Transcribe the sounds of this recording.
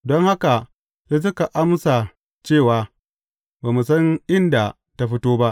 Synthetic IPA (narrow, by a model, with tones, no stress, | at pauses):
dɔ˦ŋha˦ka˨ | se˦s̬ʊ˦ka˨ʔa˦msa˨ | t͡ʃeː˦˨waː˨ | baː˨mu˨sɐ˦ŋʔɪ˦nda˨ | ta˦ɸɪ˦toː˦ba˦ʔ